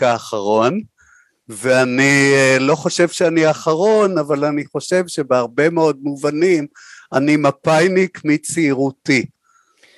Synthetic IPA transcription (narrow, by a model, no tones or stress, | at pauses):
kaːχaʁo̞n | veanilo̞χo̞ʃe̞vʃeaniaχaʁo̞navalaniχo̞ʃe̞vʃe̞beaʁbe̞meo̞d̚muvanimanimapajnikmit͡siːʁuti